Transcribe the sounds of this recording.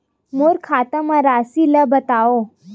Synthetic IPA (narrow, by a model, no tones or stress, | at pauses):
moɾkʰat̪əməɾasiləbət̪ao